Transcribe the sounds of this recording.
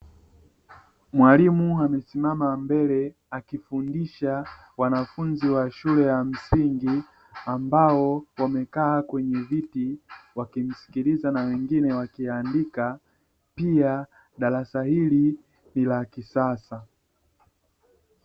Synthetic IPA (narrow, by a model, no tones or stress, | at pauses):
mwalimuamɛsimamambɛlɛ | akifundiʃa | wanafunziwaʃulɛjam̩siŋɡi | ambaɔwamɛkaːkwɛɲɛvitiwakim̩si̥kilizanawɛŋɡinɛwakiandika | pia | ɗaɾasahili | nilakisasa